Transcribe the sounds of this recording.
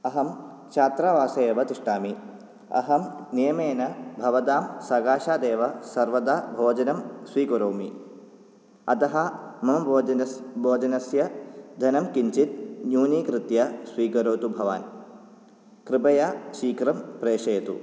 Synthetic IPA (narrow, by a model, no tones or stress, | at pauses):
ɐɦɐm | t͡ʃʰaːt̪ɾaːʋaːsɐeːʋɐt̪iʂʈaːmi | ɐ̰ɦɐmnijɐmeːnɐbʱɐʋɐd̪aːmsɐɡaːʃaːd̪eːʋɐsɐɾʋɐd̪aːbʱoːd͡ʒɐnɐmsʋiːkɐɾoːmi | ɐt̪ɐɦɐmɐmɐ | bʱoːd͡ʒɐnɐsjɐd̪ʱɐnɐmkiɲt͡ʃit̪̚njuːniːkɾɪt̪jɐsʋiːkɐɾoːt̪ubʱɐʋa̰ːn | kɾɪpɐjaːʃiːkɾɐmpɾeːʂɐjɐt̪ṵ